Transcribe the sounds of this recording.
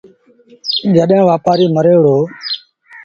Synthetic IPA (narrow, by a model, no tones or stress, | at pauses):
d͡ʒəɗɦãːʋaːpaːɾiːməɾeːɽoː